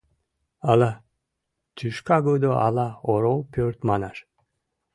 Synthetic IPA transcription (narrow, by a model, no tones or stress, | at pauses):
ala | t̪ʰyʃkaɡud̪ɔa̰laɔɾɔlpʰøɾt̪manaʃ